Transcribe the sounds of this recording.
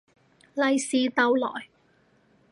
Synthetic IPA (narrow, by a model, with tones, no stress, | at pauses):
lɐ˨˧jsiː˨t̪ɐ˨˧wlɔ̰ː˨˩j